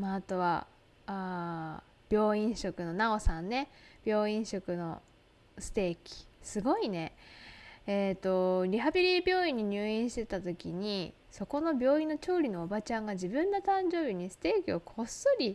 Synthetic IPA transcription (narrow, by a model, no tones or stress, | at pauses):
maːt̪o̞βa̰ | a | b̥ʲo̞ːĩɰ̃ɕo̞kɯ̟no̞naosãnːe̞b̥ʲo̞ːĩɰ̃ɕo̞kɯ̟no̞ | sɨ̥t̪e̞ːkʲi̥sɨɡo̞ine̞ | et̪ːo̞ɾʲiɦabʲiɾʲibʲjo̞ːĩɲ̟ːiɲ̟ɨːĩɕi̥t̪e̞t̪at̪o̞kʲiɲ̟i | so̞ko̞no̞bʲjo̞ːĩnːo̞t͡ɕo̞ːɾʲino̞ːbat͡ɕãŋɡad͡ʑibɯ̟̃nːot̪ãɲd͡ʑo̞ːbʲiɲ̟isɨ̥t̪e̞ːkʲio̞kʰo̞sɨɾʲi